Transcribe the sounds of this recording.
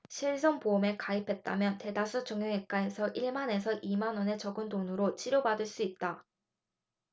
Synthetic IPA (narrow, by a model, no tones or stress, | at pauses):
ɕʰiɭsʰoŋpoɯme̞kaipʰe̞t̚t͈a̰mjʌnte̞dasʰut͡ɕʌŋjʌŋek̚k͈ae̞sʰʌʔiɭmane̞s̬ʰʌʔimanwʌne̞t͡ɕʌɡɯndonɯɾot͡ɕiɾjobadɯɭs͈uit̚t͈a